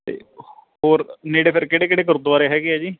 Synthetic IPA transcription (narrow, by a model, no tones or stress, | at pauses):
t̪ḛːhoːɾneːɽeːpʰɪɾkeɽeːkeɽeːk̬əɾʊt̪ʋaːɾeɦɛːɡɪɛːd͡ʒiː